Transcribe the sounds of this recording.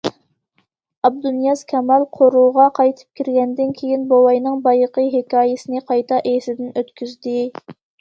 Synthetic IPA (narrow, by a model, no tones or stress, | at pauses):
ɑb̚d̪unjɑz̥kʲʰɛmɑlˠqʰoɾuʁɑqʰɑjt̪ʰɨ̥p̚kʲʰiɾɡʲɛnd̪ɪnkʲʰejinbowɑjnɨŋbɑjəqʰəɦekʲɑːjɪsɪnɨqʰɑjt̪ʰɑʔesɪd̪ɪnøt̪kʲyzd̪ɪ